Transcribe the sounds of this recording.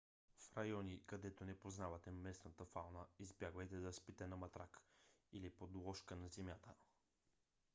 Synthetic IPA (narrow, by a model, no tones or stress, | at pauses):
fɾɐjɔnikɐd̪ɛt̪onɛpoznavɐt̪ɛmɛsnət̪əfalˠnəizbjaɡvəjt̪ɛd̪ɐspit̪ɛnɐmɐt̪ɾakilipod̪lˠɔʃkənɐzɛmjat̪ə